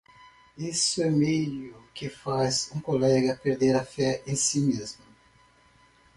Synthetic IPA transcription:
isʊɛmejʊkɪfazũkolɛɡɐpeɾd̪eɾɐfɛẽj̃simezmʊ

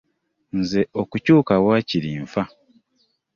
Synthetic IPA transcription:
nze̞ʔo̞kucuːkawaːciɾiːɱfa

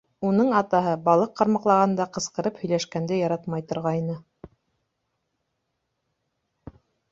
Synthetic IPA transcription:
unɤɴɑt̪ɑɦɤbɑlˠɤqːɑɾmɑqlˠɑʁɑnd̪ɑqɤ̆sqɤ̆ɾɤphɵ̆jlæʃkænd̪ɘjɑɾɑt̪mɑjt̪ŏɾʁɑjnɤ

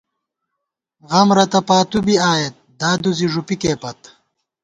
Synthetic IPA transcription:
ɣɐmɾɐt̪ɐpaːt̪ubiaːjet̪̚d̪aːd̪uziʐupikeːpɐt̪

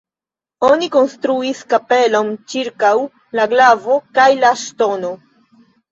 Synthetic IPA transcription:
oniko̞nstɾuiskape̞lo̞nt͡ʃiɾkaw | laɡlavo̞kajlaʃto̞no̞

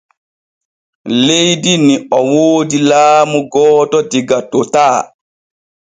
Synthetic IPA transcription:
lejdiniɔwoːdilaːmuɡɔːtɔdiɡatɔtaː

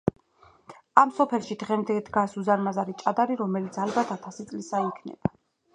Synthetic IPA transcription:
amsɔpʰɛlˠʃid̪ʁɛmd̪ɛd̪ɡasuzaɾmazaɾit͡ʃʼad̪aɾiɾɔmɛlit̪sʰalbat̪ʰat̪ʰasit̪sʼlisaikʰnɛ̰b̥a

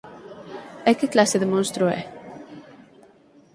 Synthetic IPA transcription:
ɛkːɪklasɪðɪmɔnst̪ɾuɛ̰

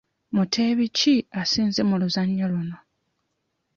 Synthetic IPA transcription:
mutʰe̞βiciasiːnze̞muluzaɲːaluno̞

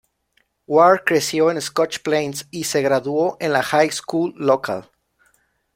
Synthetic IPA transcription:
waɾkɾe̞sjo̞eneskot͡ʃplẽjnsise̞ɣɾaðwo̞ʔẽnlaxajskulːokʰa̰l

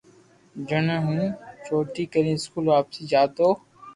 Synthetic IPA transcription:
d͡ʒənəɦũːt͡ʃoːʈiːkəɾĩːɪskuːlʋaːpsiːd͡ʒaːt̪oː

